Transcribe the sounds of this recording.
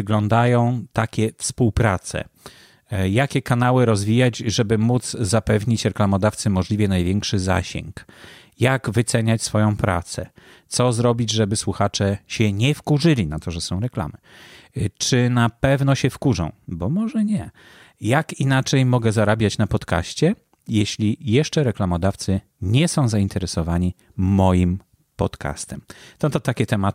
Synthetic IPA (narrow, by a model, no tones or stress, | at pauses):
ɘɡlɔnd̪ajɔ̃w̃t̪akʲɛfspuwpɾat̪sɛ̰ | jakʲɛkanawɘɾɔzvʲijad͡ʑʐɛbɘmud̪zzapɛvɲit͡ɕɾɛklamɔd̪aft̪sɘmɔʐlʲivʲjɛnajvʲjɛŋkʂɘza̰ɕɛ̰ŋk | jaɡvɘt̪sɛɲat͡ɕsfɔjɔ̃w̃pɾa̰t̪sɛ̰ | t̪sɔzɾɔbʲid͡ʑʐɛbɘswuxat͡ʂɛɕɛɲɛfkuʐɘlʲinat̪ɔʐɛsɔ̃w̃ɾɛkla̰mɘ | t͡ʂɘnapɛvn̪ɔɕɛfkuʐɔ̰̃w̃bɔmɔʐɛɲɛ | jakinat͡ʂɛjmɔɡɛzaɾabʲjat͡ɕnapɔt̪ka̰ɕt͡ɕɛ | jeɕlʲijɛʂt͡ʂɛɾɛklamɔd̪aft̪sɘ | ɲɛsɔ̃w̃zaint̪ɛɾɛsɔvaɲiː | ɔjim | pɔ̰t̪kʰa̰st̪ɛmt̪ɔt̪ɔt̪akʲɛt̪ɛma